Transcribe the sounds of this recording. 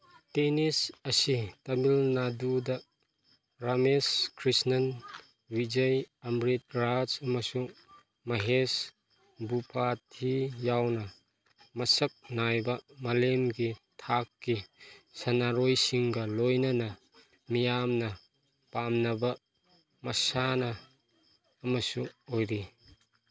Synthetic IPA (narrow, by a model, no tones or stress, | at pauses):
tenisɐsitɐmilnadudɐ | ɾameskʰɾisnɐn | wid͡ʒɐjɐmɾit̚ɡɾad͡ʒɐmɐsu | mɐɦes | bupʰatʰijawnɐ | mɐsɐk̚najbɐmɐlemɡitʰakːisɐnaɾojsiŋɡɐlojnɐnɐ | mijamnɐ | pamnɐbɐ | mɐsanɐː | mɐsuojɾi